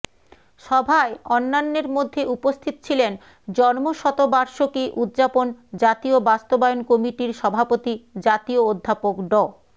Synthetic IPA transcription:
ʃɔbʱaeɔnːanːeɾmod̪ʱːeupost̪ʰit̪o̥t͡ɕʰilen | d͡ʑɔnmoʃɔt̪obaɾʃokiʔud̪d͡ʑapond͡ʑat̪iobast̪obaeonkɔmiʈiɾʃɔbʱapot̪id͡ʑat̪iood̪ʱːapokɖɔ

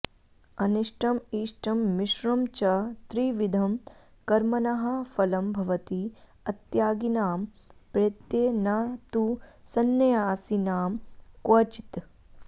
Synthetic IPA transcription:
ɐniʂʈɐmiːʃʈɐmːiʃɾɐmt͡ʃɐt̪ɾiʋid̪ʱɐm | kɐɾmɐnɐɦɐfɐlɐmbʱɐʋɐt̪i | ɐt̪jaːɡinaːm | pɾet̪jeːnaːt̪usɐnːɐjaːsinaːmkwɐt͡ʃi̥t̪

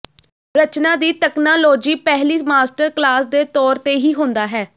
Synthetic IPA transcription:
ɾət͡ʃnãːd̪iːt̪ɛːknaːloːd͡ʒiːpɛɦliːmaːsʈəɾklaːsd̪eːt̪ɔːɾt̪eːɦiːɦõnd̪aːɦɛː

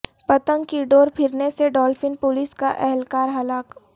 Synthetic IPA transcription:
pɐt̪ə̃ŋɡkiɖoːɾpʰɪɾneseɖɔːlfɪnpʊliskaʔɛɦɛlkaːɾɦɐlaːk

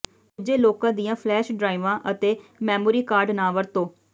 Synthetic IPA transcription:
ʊd͡ʒeːloːkãːd̪ijãːpʰlɛːʃɖɾaːiʋãːʔət̪eːmɛːmoːɾiːkaːɾɖnaːʋəɾt̪õː

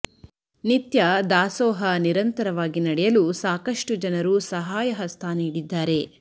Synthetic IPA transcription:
nit̪jɐd̪aːsɔːɦɐniɾɐnt̪ɐɾɐʋaːɡinɐɽɛjɐlusaːkɐʂʈud͡ʒɐnɐɾusɐɦaːjɐɦɐst̪ʰaːniːɽid̪ːaːɾe̞

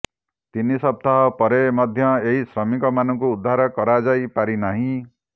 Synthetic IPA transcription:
t̪inisʌb̚t̪aɦʌpʌɾemʌd̪ʱjʌeɦisrʌmikʌmanʌŋkoud̪ʱːaɾʌkʌɾad͡zajpaɾinʌɦĩ

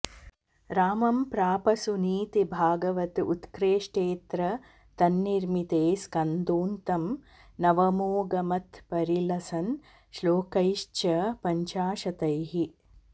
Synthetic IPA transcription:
ɾaːmɐmpɾaːpɐsuniːt̪ibʱaːɡɐʋɐt̪ut̪kɾeːʃʈeːt̪ɾɐ | t̪ɐnːiɾmit̪eːskɐnd̪uːnt̪ɐm | nɐʋɐmoːɡɐmɐt̪pɐɾilɐsɐn | ʃloːkɐjʃt͡ʃɐpɐɲt͡ʃaːʃɐt̪ɐjɦi

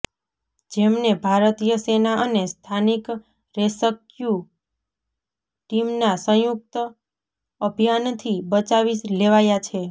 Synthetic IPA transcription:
d͡ʒemnebʱaɾət̪ijəsenaʔənest̪ʰanik | ɾesəkju | ʈimnasə̃juk̚t̪ | əbʱjant̪ʰibət͡ʃaʋileʋajat͡ʃʰe

